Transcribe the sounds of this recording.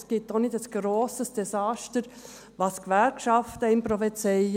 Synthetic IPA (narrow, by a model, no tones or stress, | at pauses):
sɡ̥itonɪdəsɡ̥ɾoːsəsd̥ɛsɑːʃtəɾ | ʋɑskʋɛɾkʃɑftəɪmpɾɔfet͡sɛɪ